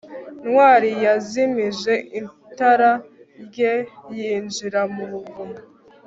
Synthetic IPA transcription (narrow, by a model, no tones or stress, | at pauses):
nwaːɾijazimiʒe̞ʔin | taɾa | ɾɟejiːnd͡ʒiɾamuβuvumu